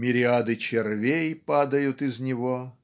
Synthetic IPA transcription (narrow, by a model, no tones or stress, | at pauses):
mʲɪɾʲɪad̪ɨt͡ɕɪrvʲejpad̪əjʊt̪ɪznʲɪvo